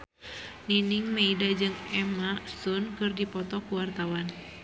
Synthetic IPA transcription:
niniŋmeidad͡ʒɨŋɛmasunkɨrdipɔt̪ɔkuwart̪awan

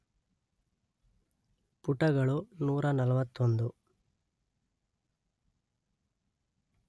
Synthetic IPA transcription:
puʈːɐɡɐɭunuːɾɐnɐlɐʋɐt̪ːond̪u

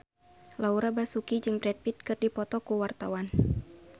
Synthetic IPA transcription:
lauɾabasukid͡ʒɨŋbɾɛd̪̚pit̪̚kɨrdipɔt̪ɔkuwart̪a̰wan

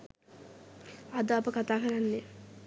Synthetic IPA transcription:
ad̪əapəkat̪aːkəɾanːe

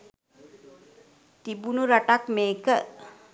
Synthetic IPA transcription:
t̪ibunuɾaʈakmeːkə

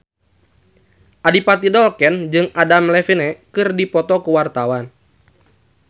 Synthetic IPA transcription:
ʔadipat̪idɔlkɛnd͡ʒɨŋadamlɛfinɛkɨrdipɔt̪ɔkuwart̪awan

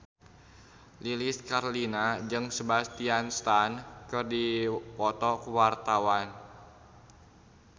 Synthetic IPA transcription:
liliskaɾolinad͡ʒɨŋsəbast̪ianst̪ankɨrdipɔt̪ɔkəwart̪awan

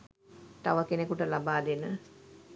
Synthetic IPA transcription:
t̪aʋəkenekuʈəlabaːd̪enə

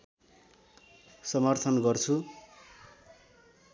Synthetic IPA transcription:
sʌmʌrt̪ʰʌnɡʌrt͡sʰu

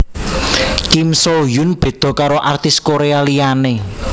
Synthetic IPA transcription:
kimsojunb̥e̤d̪̥ɔ̤kaɾoʔart̪ɪskoɾealijane

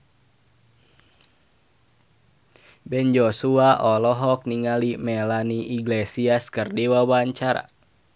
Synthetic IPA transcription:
bɛnd͡ʒɔsuaʔɔlɔɦɔk̚niŋalimɛlaniʔiɡlɛsiaskɨrdiwawaɲt͡ʃaɾa̰

